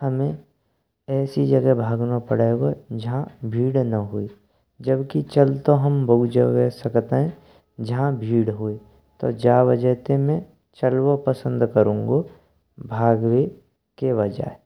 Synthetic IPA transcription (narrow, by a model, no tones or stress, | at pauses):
həmẽ | ɛːsid͡ʒɐɡɛbʱaːɡnapəɽeːɡod͡ʒɐɦãbʱiːɽnɐɦue | d͡ʒəbkit͡ʃɐlt̪oɦɐmbɐud͡ʒəɡɛsɐkt̪eɦɛ̃ | d͡ʒɐɦãbʱiːɽɦue | t̪o̰d͡ʒaːʋəd͡ʒəɦt̪emẽ | t͡ʃəlwopəsə̃nd̪kəɾũːŋɡo | bʱaːɡwe | keʋəd͡ʒa̰e